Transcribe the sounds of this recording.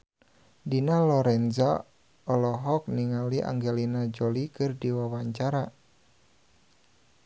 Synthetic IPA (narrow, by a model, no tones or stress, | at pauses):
dinalɔɾɛnza | ɔlɔɦɔk̚niŋaliʔa̰ŋɡɛlinad͡ʒolikɨrdiwawaɲt͡ʃaɾa